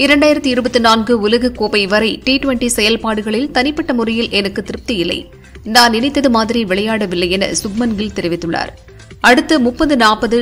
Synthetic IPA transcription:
ɪɾɐɳɖaːjɪɾɐt̪ːɯɪɾɯbɐt̪ːɯnaːnɡɯʊlɐɣɐkoːpɐɪʋɐɾɐɪʈiːʈʋɐɳʈisɛjɐlpaːɽɯɣɐɭɪlt̪ɐnɪpːɐʈːɐmʊrɐjɪlʔɛnɐkːɯt̪ːɪɾɯp̚t̪ɐjɪlːɐ̰ɪ | naːnɪnɐɪt̪ːɐðɯmaːðɪɾiʋɪɭɐjaːɽɐʋɪlːɐjɛnɐ̰sʊɡmɐnɡɪlt̪ɛɾɪʋɪt̪ːɯɭːa̰ːɾ | ɐɽɯt̪ːɐmʊpːɐnd̪ɯnaːpɐðɯ

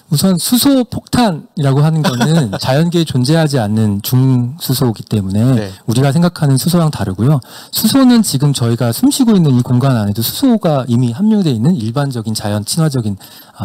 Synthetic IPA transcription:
musʰʌnsʰusʰopʰok̚tʰaniɾaɡoɦanɯnɡʌnɯnt͡ɕajʌnɡeːt͡ɕond͡ʑe̞ɦad͡ʑianːɯnt͡ɕuŋsʰusʰoɡit͈e̞mune̞uɾiɡas̬ʰe̞ŋɡakʰanɯnsʰusʰoɾaŋtaɾɯɡojo | sʰusʰonɯnt͡ɕiɡɯmt͡ɕʌiɡasʰumɕʰiɡoinːɯnikoŋɡanane̞dosʰu̥sʰoɡaimiɦamːjʌŋdwe̞inːɯniɭband͡ʑʌɡint͡ɕajʌnt͡ɕʰinɦwad͡ʑʌɡin

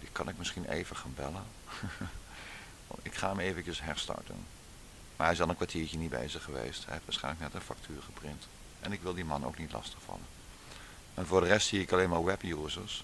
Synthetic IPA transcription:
dikɑnɪkmɪsχinʔḛjvəχaːnbɛlən | ʋɑ̰tɪkχa̰ːmejvəncəsɦɛɹstɑ̰ɹtə̰n | maɛɪsɑlˠənkʋaɹtiːɹcənitbḛjzəχəʋḛjstɛ̰ɛpʋasχɛ̰jnlək̚nɛtənfɑk̚tʰyːɹχəprɪnt | ʔɛnɪkʋɪlˠdimɑno̰wknitlɑ̰stəχfɑ̰lən | ɛvʊːɹdərɛstsiːɪkɑlejnmaːɹʋɛpjuːzəɹs

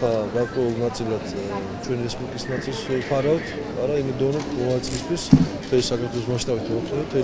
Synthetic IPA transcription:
aɡaɾkʼwɛulˠnat̪sʼilˠad̪̥ | t͡ʃʰwɛnɾɛspʼuɾk̪ʼisnat̪sʰʼilˠsɛpʰaɾat̪ʰ | a̰ɾaimɛd̪ɔvnɔt̪ʰmɔnat̪sʼilist̪ʰwist̪ʰχɛlisakʰaɾt̪ʰwɛlˠɔsmaʃt̪ʼabit̪ʰmɔt̪ʼɔɛt̪ʰɛ

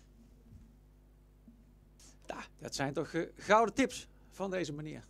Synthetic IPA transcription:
jad̥ɑtsɛjntɔxɣʌwdətɪps | v̥ɑndejzəmaniːr

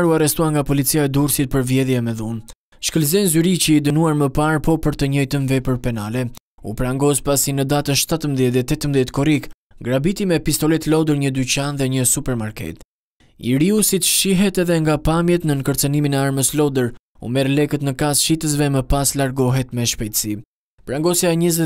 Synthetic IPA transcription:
ɾuarɛst̪uaŋɡapɔlit͡siaɛd̪uɾsit̪̚pəɾvjɛðjɛmɛðun | ʃkəlzɛnzyɾit͡ɕəid̪ənuaɾməpaɾpɔpəɾt̪əɲɔjt̪ənvɛpəɾpɛnalɛupɾaŋɡɔspasinəd̪at̪ənʃt̪at̪əmðjɛt̪ɛt̪ːɛt̪əmðjɛt̪kɔɾik | ɡɾabit̪imɛpist̪ɔlɛt̪lɔd̪əɾɲəd̪yt͡ɕanðɛɲəsupɛɾmaɾkɛ̰t̪ | ḭɾiusit̪əʃiɦɛt̪ɛðɛŋɡapamjɛt̪nənkəɾt͡səniminɛaɾməslɔd̪əɾ | ṵmɛɾlɛkət̪nəkasʃit̪əs̬vɛməpaslaɾɡɔɦɛt̪mɛʃpɛjt̪əsi | pɾaŋɡɔsjaɛɲəzɛ

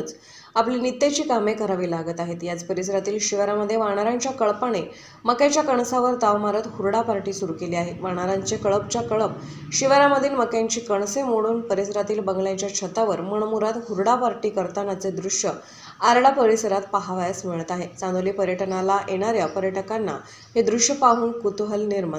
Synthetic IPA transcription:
t͡s | aplinit̪ːet͡ɕiːkamekəɾaʋiːlaɡət̪aɦet̪jad͡zpəɾis̬ɾat̪iːlɕiʋəɾaməd̪ʱːjeʋaɽ̃aɾaɲt͡ɕjakəɭpəɽ̃e | məkjat͡ɕjakəɳsaʋəɾt̪aʋmaɾət̪huɾɽapaɾʈiːsuɾukeliːaɦeʋaɽ̃aɾaɲt͡sekəɭəp̚t͡ɕjakəɭəp̚ | ɕiʋəɾaməd̪ʱːiːlməkjaɲt͡ɕiːkəɳ̃semoɽuːnpəɾisɾat̪iːlbəŋɡlãt͡ɕjat͡ɕʰət̪aʋəɾməɳ̃muɾat̪huɾɽapaɾʈiːkəɾt̪anat͡sed̪ɾuʂjə | aɾɽapəɾisəɾat̪paɦaʋajasməɭt̪aɦet͡sãnd̪oliːpəɾjəʈnalaʔeɽ̃aɾjapəɾjəʈəkanːa̰ | hed̪ɾuʂjəpaɦuːnkut̪ɦəlniɾma

